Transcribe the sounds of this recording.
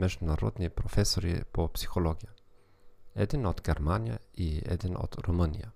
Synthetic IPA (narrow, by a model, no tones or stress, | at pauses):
mɛʒðunɐɾo̰d̪nipɾofesoɾḭpopsi̥xoloɡiɐ | ɛd̪inot̪ɡeɾmaniɐ̰iɛ̰d̪ino̰t̪ɾumənḭɐ